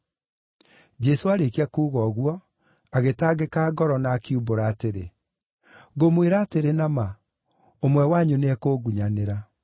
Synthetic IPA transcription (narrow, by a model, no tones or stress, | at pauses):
d͡ʒɛsoaɾekiakuːɣɔɣwɔ | aɣetaːɡekaːɡɔɾɔnakiuboɾaːteɾḛ | ɣomweɾaːteɾenama | omwɛwaɲuneɛkoːɡuɲaneɾa